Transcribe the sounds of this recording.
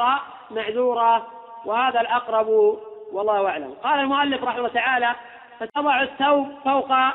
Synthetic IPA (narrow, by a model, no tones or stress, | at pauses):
ɑ | maʕðuːɾˤɑ | wɪhaːðalʔɑqɾˤɑbwɑlˤːɑːhʊʔaʕla̰mqɑːlalmʊʔalːɪfɾˤɑħɪmlːt̪aʕaːla | fat̪ɑðˤɑʕʊθːawb̚fawqɑ